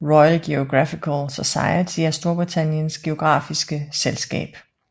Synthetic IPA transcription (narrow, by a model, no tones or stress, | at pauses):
ʁɔ̽ɪælɡ̥e̝oɡ̥ʁɑfikʰəlsosɑ̈ɪət͡sʰiæɐsd̥o̝ɐb̥ʁit͡sʰænjənsɡ̥e̝o̝ɡ̥ʁɑ̰̈ːfisɡ̥əselsɡ̥ɛ̰ːb̥